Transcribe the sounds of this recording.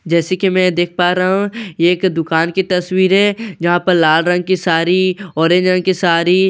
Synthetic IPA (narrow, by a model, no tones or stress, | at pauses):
d͡ʒɛːsekimɛ̃ːd̪eːk̚ʰpaːɾaɦũeːkd̪ʊkaːnkit̪ɐswiːɾɦɛːd͡ʒɐɦãpɐɾlaːlɾɐ̃ŋɡ̚kisaːɾiɔːɾẽd͡ʒɾɐ̃ŋɡ̚kisaːɾi